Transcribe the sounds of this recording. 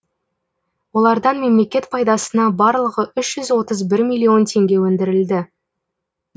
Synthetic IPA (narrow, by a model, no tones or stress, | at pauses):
wo̞lˠɑɾd̪ɑnme̞mle̞kʲe̞t̪pʰɑjd̪ɑsənɑbɑɾlˠəʁəʔʏʃʒ̥ʏzwo̞t̪əzbɪɾmʲijlʲˠːio̞nt̪ʰe̞ŋɡʲe̞wɵnd̪ɪɾɪld̪ɪ